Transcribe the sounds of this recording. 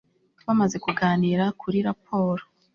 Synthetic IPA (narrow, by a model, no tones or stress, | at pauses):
βamaze̞kuɡaːniɾakʰuɾiɾap̚ʰo̞ːɾo